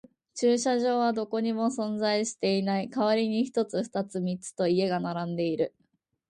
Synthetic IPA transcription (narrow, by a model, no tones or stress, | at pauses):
t͡ɕɨːɕaʑo̞ːβad̪o̞ko̞ɲ̟imo̞sõ̞nd͡zaiɕi̥t̪e̞inaikaβ̞aɾʲiɲ̟içi̥t̪o̞t͡sɨɸɯ̥t̪at͡sɨmʲit͡sɨ̥t̪o̞ie̞ɡanaɾãnd̪e̞iɾɯ̟